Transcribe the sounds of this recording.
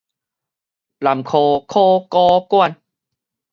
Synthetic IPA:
la˨˩mkʰoː˧˩kʰoː˥˩kɔː˧ku˥˩ə˨n

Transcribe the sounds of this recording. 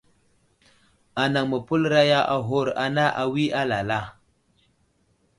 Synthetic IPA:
a˨na˨ŋmə˨pu˦lɾa˦ja˦ʔa˨ɦo˦˨ɾa˨na˦ʔa˨wi˦ʔa˦la˨la˦˨

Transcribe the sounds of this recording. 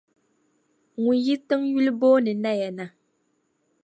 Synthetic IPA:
ŋu˨ji˦tɨ˦ŋju˦lbɔː˦nɛ˨na˦˨ja˨na˨

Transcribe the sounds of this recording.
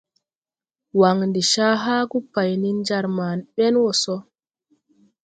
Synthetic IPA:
wa˨ŋndi˨ʃaː˦ɦaː˦ku˦pːa˨jni˦nd͡ʒaɾmanɓɛ˦nwɔsɔ˦

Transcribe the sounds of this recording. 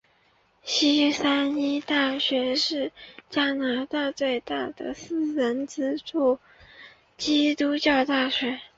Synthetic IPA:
ɕi˥sa˥ni˥t̪a˥˩ɕɥɛ˧˥ʂɻ̩˥˩t͡ɕja˥na˧˥t̪a˥˧t͡swe˥˧ɪt̪a˥˩d̪ə̰˩sɹ̩˥˩ɻə˧˥nt͡sɹ̩˥ʈ͡ʂu˥˩ | t͡ɕi˥t̪u˥t͡ɕjɑ˥˧ʊt̪a˥˩ɕɥɛ˧˥

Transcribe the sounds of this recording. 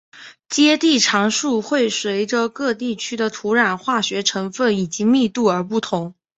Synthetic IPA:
t͡ɕjɛ˥t̪i˥˩ʈ͡ʂʰɑ˧˥ŋʂu˥˧xwe˥˩ɪʂwe˧˥ɪʈ͡ʂə˧kɤ˥˧t̪i˥˩t͡ɕʰy˥d̪ə˨t̪ʰu˧˥ɻa˨˩nxwa˥˩ɕɥɛ˧˥ʈ͡ʂʰɤ˧˥ŋfə˥˩ni˨˩t͡ɕi˧˥mi˥˧t̪u˥˩ə˞˧˥p̬u˥˩t̪ʰʊ˧˥ŋ

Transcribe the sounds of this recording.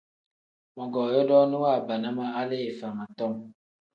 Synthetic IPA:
mɔ˨ɡɔː˨jɔ˦dɔ˦ni˦wa˦˨ba˨na˦ma˦a˦le˦e˨fa˨ŋa˨tɔ˦˨m

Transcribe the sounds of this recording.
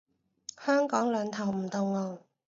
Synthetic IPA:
hœː˥ŋkɔː˨˥ŋlœː˨˧ŋt̪ʰɐ˨˩wm̩˨˩t̪ʊ˨˩ŋlɔː˨˧

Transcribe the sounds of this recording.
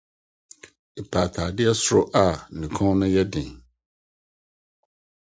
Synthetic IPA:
e˨pʰaː˨tʰaː˨dɪ˦ɛ˦sʊ˦ɾʊ˦ʔa˨nĩ˨kʰɔ̃˦nʊ̃˦jɛ˦dɪ̃˨

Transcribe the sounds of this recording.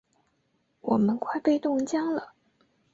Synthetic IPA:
wɔ˨˩mə˦nkwa˥˧ɪpe˥˧ɪt̪ʊ˥˩ŋt͡ɕjɑ˥ŋlə˨

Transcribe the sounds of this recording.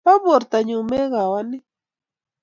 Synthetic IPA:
pa˦bo˨ɾt̪aɲʊ˨me˦ɢawanɪ˦

